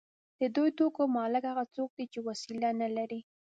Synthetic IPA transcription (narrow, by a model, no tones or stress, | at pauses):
d̪̥əd̪ujt̪okomɑlɪɡhaɣat͡sok̚d̪it͡ʃewasilanalaɾi